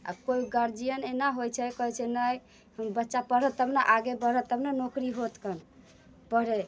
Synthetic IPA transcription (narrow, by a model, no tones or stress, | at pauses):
a̰koiɡəɾd͡ʒijənenaɦojt͡ʃʰɛkəɦɛt͡ʃʰɛnəj | həmbətːʃapəɽət̪əpnaʔaɡebəɽət̪əpnanokɾiɦot̪kən | pəɽɛ